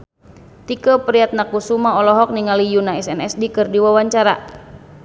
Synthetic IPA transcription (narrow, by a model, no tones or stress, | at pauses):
t̪ikəpəɾiat̪̚nakusumaɔlɔɦɔk̚niŋalijunaɛsɛnɛsdikɨrdiwawaɲt͡ʃaɾa̰